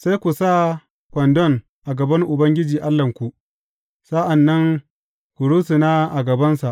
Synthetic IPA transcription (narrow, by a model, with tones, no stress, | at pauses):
sa˦jkʷu˨sa˦ | kʷɐ˨ndɔ˦˨n | ʔa˨ɡɐ˨bɐ˦ŋʔʊ˨bɐ˦ŋɡʲɪ˦d͡ʒiː˨ʔa˦lːɐ˨ŋkʷu˨ʔ | sa˦ʔa˨nːɐ˦ŋ | kʷʊ˨ɽuː˦sɪ˨naː˦ʔa˨ɡɐ˨bɐ˦nsa˨ʔ